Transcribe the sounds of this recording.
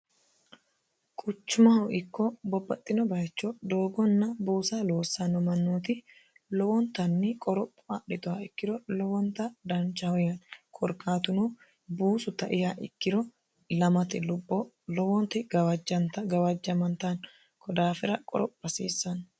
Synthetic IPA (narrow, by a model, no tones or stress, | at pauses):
kʼʊt͡ʃːʊmɐhɔʔɪkːɔbɔbːɐt̪ʼːɪnɔbɐt͡ʃːɔd̪oːɡɔnːɐbuːsaloːsːɐnɔmɐnːuːt̪ɪ | lɔwɔnt̪ɐnːɪkʼɔɾɔpʼːɔɐɗɪd̪ʊhɐɪkːɪɾɔlɔwɔnt̪ɐd̪ɐnt͡ʃːɐhɔjɐnkʰɔɾkːaːt̪ʊnoː | buːsʊt̪ɐʔɪhaʔɪ̰kːɪɾɔ | lɐmɐt̪ɪlʊbːɔ | lɔwɔnt̪ɪd͡ʒɐnt̪ɡɐwɐd͡ʒːɐmɐnt̪ɐn | kʰɔd̪aːfɪɾɐkʼɔ̰ɾɔpːɐseːsːɐn